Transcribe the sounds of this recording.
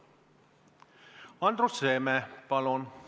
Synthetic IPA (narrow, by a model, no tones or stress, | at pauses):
ɑnd̪roseːmɛpɑlon